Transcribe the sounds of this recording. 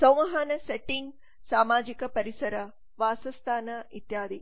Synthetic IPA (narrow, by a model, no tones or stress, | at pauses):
sɐ̃w̃ʋɐɦaːnɐseʈiŋɡ | saːmaːd͡ʒikɐpɐɾisɐɾɐ | ʋaːsɐst̪ʰaːnɐit̪jaːd̪i